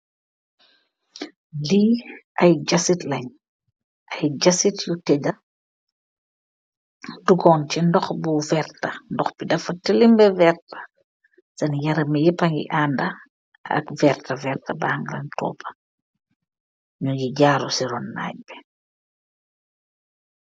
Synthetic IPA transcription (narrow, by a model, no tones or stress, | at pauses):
liɐjɟɐsitlɐɲ | ʔɐjɟɐsitjutɛɟɐ | duɡɔnt͡ʃindɔxbuvɛrtɐndɔxbidɐfɐtilimbɛvɛrtɐ̥ | sɐnjɐɾɐmijɛpɐŋɡḭʔandɐ | ɐ̰kvɛɾtɐvɛrtɐbaːŋɡlɐɲtʰɔ̰ːpɐ̥ | ɲuɟiɟaːɾusiɾɔnːa̰ːɟ̚bɛ̥